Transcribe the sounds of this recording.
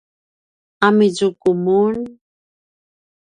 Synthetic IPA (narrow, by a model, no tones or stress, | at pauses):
amizukumun